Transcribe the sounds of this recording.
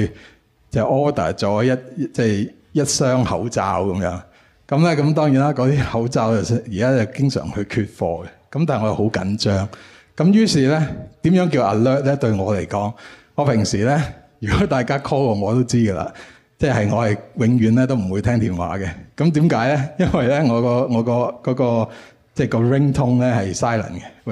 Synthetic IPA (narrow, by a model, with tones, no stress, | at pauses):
t͡sɛː˨˩ʔɔː˥t̪ɐ̰ː˨˩t͡sɔː˨˥jɐ˥t̚t͡sɛː˥˩j | jɐ˥t̚sœː˥ŋhɐ˨˥wt͡sa̰ː˧wkɐ˨˦mjœ̰ː˨˥ŋ | kɐ˨˥mlɛː˥kɐ˨˥mt̪ɔː˥ŋji˨˥nlaː˥kɔː˨˧˥t̪iː˥hɐ˨˥wt͡saː˧wt͡sɐ˨sjiː˨˩kaː˥t͡sɐ˨˩wkɪ˥ŋsœ̰ː˨˩ŋhɵ˧ɥkʰyː˧t̚fɔ̰ː˧ɡɛ˧kɐ˨˦mt̪aː˨ŋɔ˧jwho˨˥wkɐ̰˨˥nt͡ʃœː˥ŋ | kɐ˨˧˥mjyː˥siː˨˩lɛ˥t̪iː˨˥mjœː˨˥ŋk̬iː˧wʔɐ̰˨˩lœː˥t̚lɛ˥t̪ɵ˧ɥŋɔː˨˧le˨˩jkɔː˨˥ŋŋɔː˨˧pʰɪ˨˩ŋsiː˨˩lɛ˥jyː˨˩kɔ˨˥t̪aː˨jkaː˥kʰɔː˥kɔː˧ŋɔː˨˧t̪o˥wt͡siː˥ɡə˧la̰ː˨ | t͡sɛː˥˩hɐ˨jŋɔː˨˧hɐ˨jwɪ˨˥ŋɥyː˨˧nlɛː˥t̪̬o˥wm̩˨˩wu˨˧t̪ʰɛː˥ŋt̪ʰiː˨˩nwa̰ː˨˥ɡɛ˧kɐ˨˦mt̪iː˨˥mkaː˨˥jlɛ˥jɐ˥nwɐ˨jlɛ˥ŋɔː˨˧kɔː˧ŋɔː˨˧kɔː˧kɔː˨˥kɔː˧ | t͡sɛː˥˩kɔː˧ɹɪ˥ŋt̪ʰʊ˥ŋlɛː˥hɐ˨jsaː˥jlɐ̰˨˩nkɛ˧